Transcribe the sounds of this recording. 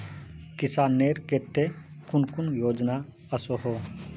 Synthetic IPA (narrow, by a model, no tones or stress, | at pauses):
kɪsaːnːeːɾket̪ːekʊnkʊnjoːd͡ʒna | əsoɦoː